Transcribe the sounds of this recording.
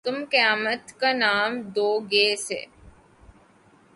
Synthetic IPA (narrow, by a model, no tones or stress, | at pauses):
t̪ʊmkəjaːmət̪kanaːmd̪oːɡeːsḛ